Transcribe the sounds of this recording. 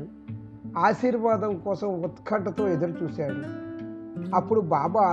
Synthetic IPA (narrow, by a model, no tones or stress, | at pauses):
u | aːʃiːɾʋaːd̪ɐmkɔːsɐmɔt̪kʰɐɳʈɐt̪o̞ːed̪ɐɾut͡ʃuːsaːɽu | ɐpːuɽubaːbɐː